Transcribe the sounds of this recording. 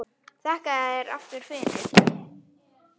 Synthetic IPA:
θɛhkaɛɾa̰ft̪ʏɾ̥fɪðɪnt̪ɪ

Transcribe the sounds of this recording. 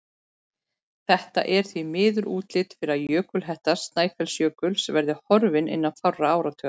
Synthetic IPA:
θɛht̪a̰ʔɛɾ̥θvimɪːðʏɾʔuːt̪lɪt̪fɪɾɪajœːkʏlɦɛht̪ast̪naːjfɛlsjœːkʏlsvɛɾðɪhɔɾvɪnɪ̰nːaðfawraaːwɾat̪ʰœːa

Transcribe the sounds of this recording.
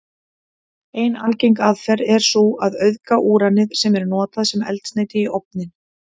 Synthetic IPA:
eːjna̰lcejŋkaðfɛɾɛɾ̥suaðœɥðkaʔuːɾanɪðsɛmɛɾnɔːt̪aðsɛmɛ̰lt̪sneːjt̪ɪiʔowp̚nɪn

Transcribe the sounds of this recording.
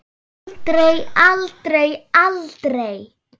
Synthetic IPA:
t̪ɾejalt̪ɾejalt̪ɾej

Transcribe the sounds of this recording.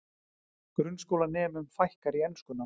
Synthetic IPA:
kɾʏnskowlanɛːmʏmfajhkaɾiɛnskʏnːa

